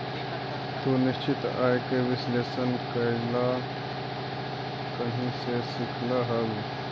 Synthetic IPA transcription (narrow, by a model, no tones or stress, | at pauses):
t̪onɪst͡ʃɪt̪a̰ːjekeʋɪsleːsənkaɪlaː | kɐɦĩsesɪkʰlaɦɐl